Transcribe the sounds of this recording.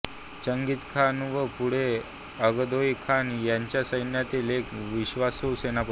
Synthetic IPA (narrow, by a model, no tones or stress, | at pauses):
t͡ɕəŋɡit͡s̪kʰanʋəpuɽ̤e | əɡəd̪ojkʰanjaɲt͡ɕjasəjnjat̪iːlekʋiɕʋasosenap